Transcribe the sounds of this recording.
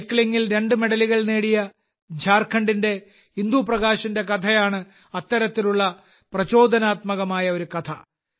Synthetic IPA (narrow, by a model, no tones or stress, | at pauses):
kːɐliŋːilɾe̞ɳɖɨme̞ɽɐliɣɐɭneːɽijɐ | d͡ʑʱaːrkʰɐɳɖinde̞ | ind̪uprɐɣaːɕɐnde̞kɐt̪ʰɐjaːɳɨ | ɐt̪ːɐɾɐt̪ːiluɭːɐ | prɐt͡ɕo̞ːd̪ʱɐnaːt̪mɐɣɐmaːjɐo̞ɾukɐt̪ʰɐ